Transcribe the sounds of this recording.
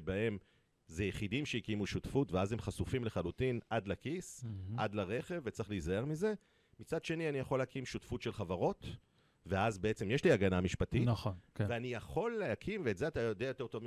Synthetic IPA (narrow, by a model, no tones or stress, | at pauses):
bahe̞m | zejeχidimʃeikimuʃutfutveazemχasufimleχalutinʔadlakisad̪laʁe̞χe̞vːet͡saχlizae̞ʁmize̞ | mit͡sadʃe̞nianijaχo̞lːeakimʃutfutʃelχavaʁo̞t̪ | ve̞azbeet͡se̞mjeʃliaɡanamiʃpatitnχonkveanijaχo̞leakʰimveːtzeat̪ajod̪eajote̞t̪ovm